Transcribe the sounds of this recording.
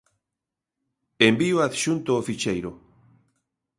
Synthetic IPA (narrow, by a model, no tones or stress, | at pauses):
embiwaθʃunt̪oːfit͡ʃejɾo